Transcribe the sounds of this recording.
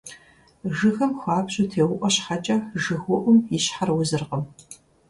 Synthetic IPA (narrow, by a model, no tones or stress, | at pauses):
ʒɨxɐmxʷaːpɕʼʊtʰeːwʊʔʷʼɔɕħat͡ʃʼɐʒɨxʷʊʔʷʊmjɪɕħarwʊzɨrqəm